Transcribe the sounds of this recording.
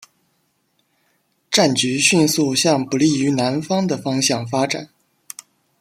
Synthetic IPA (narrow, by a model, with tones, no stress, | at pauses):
ʈ͡ʂa˥˩nt͡ɕy˧˥ɕy˥˧nsu˥˧˩ɕjɑ˥˩ŋpu˧˥li˥˩y˧˥na˧˥nfɑ˥ŋd̪ə˨fɑ˥ŋɕjɑ˥˩ŋfa˥ʈ͡ʂa̰˨˩˦n